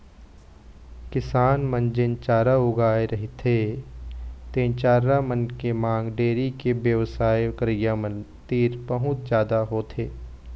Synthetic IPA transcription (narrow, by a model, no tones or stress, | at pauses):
kɪsaːnmə̃nd͡ʒɪnt͡ʃaːɾaʊɡaːeɾɐɦit̪ʰe | t̪ẽːt͡ʃaːɾamənkemãːŋɡɖeːɾikebjəʋsaːjkɾɪjamə̃nt̪iːɾpəɦʊ̃t̪d͡ʒjaːd̪aɦoːt̪ʰeː